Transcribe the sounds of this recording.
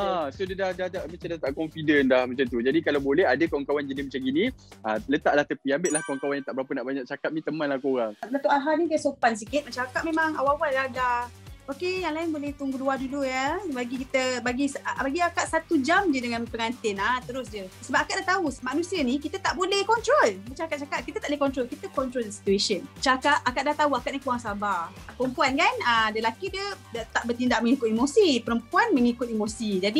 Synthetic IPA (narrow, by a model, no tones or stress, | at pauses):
asodadahdahdaʔmat͡ʃadat̪aʔkɔmfidənlahmət͡ʃant̪ud͡ʒadikalabolɛɦadəkawaŋkawand͡ʒənismat͡ʃaŋɡinĩələt̪aʔlaht̪əpiambɪʔlahkawaŋkawanjãt̪aʔbəɾapənaʔbaɲaʔ̚t͡ʃakap̚nĩt̪əmãnlahkoɾaŋdat̪oʔaɦanikasopans̬ikɪt̪̚mat͡ʃamakaʔ̚memaŋa̰wawadaladaokejaŋlaɪnbolɛht̪uŋɡuduadudujəbaɡikit̪əbaɡisbaɡiakaʔsat̪ud͡ʒamd͡ʒədəŋanpəŋant̪ɪnat̪əɾʊsd͡ʒəsəbap̚akaʔdaht̪aumanusiənĩkit̪ət̪aʔbolɛhkɔnt̪ɾolmət͡ʃaakaʔ̚t͡ʃakaʔ̚kit̪ət̪abolɛkɔnt̪ɾolkit̪əkɔnt̪ɾoldəsi̥t̪uesənt͡ʃakaʔakaʔdaht̪auakaʔnikuɾaŋsabapəɾəmpuankanədalakidiədat̪aʔbərt̪indaʔ̚məŋikʊt̪̚imosipəɾəmpuanməŋikʊt̪̚imosid͡ʒadi